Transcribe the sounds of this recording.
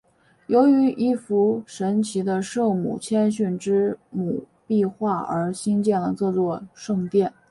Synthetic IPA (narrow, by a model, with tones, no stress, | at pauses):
jo˧˥ʊy˧˥ʔi˥˩fu˧˥ʂə˧˥nt͡ɕʰi˧˥d̪ə˧ʂɤ˥˩mṵ˨˩t͡ɕʰjɛ˥nɕy˥˩nʈ͡ʂɻ̩˥mu˨˩ | pi˥˧xwa˥˩ə̰˞˧˥ɕi˥ŋt͡ɕjɛ˥˩nlə˩t͡sɤ˥˧t͡swɔ˥˧ʂɤ˥˧ŋt̪jɛ˥˩n